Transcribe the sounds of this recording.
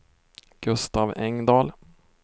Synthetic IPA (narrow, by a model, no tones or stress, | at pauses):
ɡ̥ɵst̪ɑːvɛŋd̪ɑːl